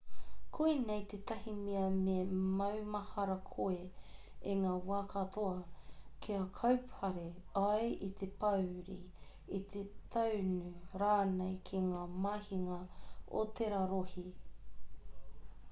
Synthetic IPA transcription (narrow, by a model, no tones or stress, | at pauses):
kʰuinejt̪et̪ɐhimiɐmemɐwmɐhɐɾɐkʰoe | eŋaːwaːkʰɐt̪ʰoɐkʰiɐkʰɐwpʰɐɾeajit̪ʰepɐwɾḭ | it̪ʰet̪ʰɐwnʉɾaːnejkʰiŋaːmahiŋɐo̰t̪ʰeɾaɾohi